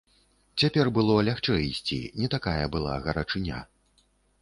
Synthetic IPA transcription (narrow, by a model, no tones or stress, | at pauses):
t͡sʲapʲɛrbɨlˠɔlʲaxt͡ʂɛjisʲt͡sʲḭnʲɛt̪akajɐbɨlˠa̰ɣɐɾɐt͡ʂɨnʲa̰